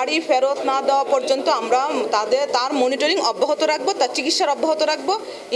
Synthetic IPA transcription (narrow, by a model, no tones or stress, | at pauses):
aɽifʰeɾot̪nad̪ɛoapɔɾd͡ʒont̪oamɾat̪ad̪eɾt̪aɾmoniʈoɾiŋɔbːoɦot̪oɾak̚ʰbot̪aɾt͡ɕikit̪ʃaɾɔbːɔɦot̪oɾak̚ʰbo